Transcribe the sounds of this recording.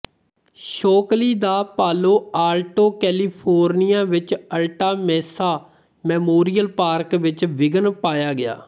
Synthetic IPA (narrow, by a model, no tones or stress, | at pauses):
ʃoːkliːd̪aːpaːloːaːɾʈoːkɛːliːpʰoːɾnijãːʋɪt͡ʃəlʈaːmɛːsaː | mɛːmoːɾijəlpaːɾkʋɪt͡ʃʋɪɡənpaːjaːɡɪja̰ː